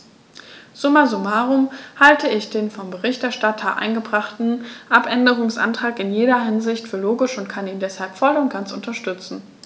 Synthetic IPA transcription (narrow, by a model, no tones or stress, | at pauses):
z̥ʊmazumaːʁʊmhaltʰəɪçd̥eːnfɔmbəʁɪçtɛɐʃtatʰɐʔa̰ɪnɡəbʁaχtn̩ʔapʔɛndəʁ̞ʊŋsʔa̰ntʁ̥aːkɪnjeːdɐɦɪnzɪçtfyːɐloːɡɪʃʊntkʰaniːndɛshalpfɔlʊnt̚ɡ̥ant͡sʊntɐʃtʏt͡sn̩